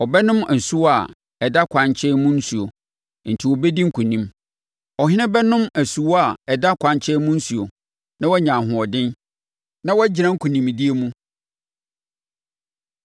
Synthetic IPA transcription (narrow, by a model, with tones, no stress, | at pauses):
ɔ˨bɛ˦nʊ̃˦mæ˨n̩˨su˦wa˨ | ɛ˨da˦kʷʰã˨ɲ˦t͡ɕʰɛ˦mũ˦n̩˦su˨o˨ | n̩˨tʰi˨wɔ˨bɛ˦di˦ŋ̩˦kʰũ˨nĩ˦m | ɔ˨ɦɪ̃˦nɪ̃˦bɛ˦nʊ̃˦mæ˨su˨wɔ˦a˨ɛ˨da˦kʷʰã˨ɲ˦t͡ɕʰɛ˦mũ˦n̩˦su˨o˨ | nã˦wɔɛ˦ɲã˨ɦʊ̃˨ɔ˨dɪ̃˦n | nã˦wɔ˦d͡ʑɪ˨ɾã˦ŋ̩˦kʰu˨nĩ˨m˨di˦e˦mũ˦